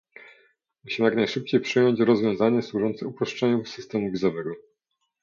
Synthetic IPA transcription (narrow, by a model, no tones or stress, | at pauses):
muɕimɘjaknajʂɘp̚t͡ɕejpʂɘjɔɲt͡ɕɾɔzvʲjɔ̃w̃zaɲɛswuʐɔnt̪sɛupɾɔʂt͡ʂɛɲufsɘst̪ɛmuvʲizɔvɛɡɔ